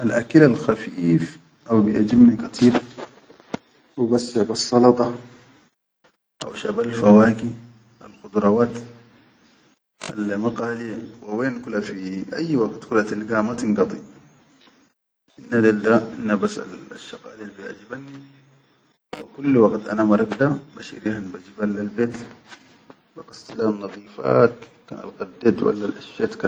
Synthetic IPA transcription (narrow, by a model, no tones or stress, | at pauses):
ʔalʔa̰kilalxafiːf | ʔawbijad͡ʒibnikɑt̪ˤʰiːb | ʔawbasːʃabasˤːɑlɑt̪ˤɑ | ʔa̰wʃabalfawaːki | a̰lxud̪ɾˤɑwaːt̪ | ʔa̰lmɑqaːliwɪweːnkulafiʔa̰jːwaɡt̪kulat̪alɡaːmat̪inɡɑt̪ˤḭ | inːad̪ald̪ainːabasa̰laʃːɑqa̰ːlilbijaʕd͡ʒibanːi | wa̰kulːwaɡt̪ʔa̰namɑɾˤɑkd̪abaʃḭɾihanbad͡ʒibalːalbeːt̪ | baɡast̪ilanːɑðˤiːfa̰ːt̪ka̰na̰lqad̪ːet̪wa̰lːalʔaʃjat̪ka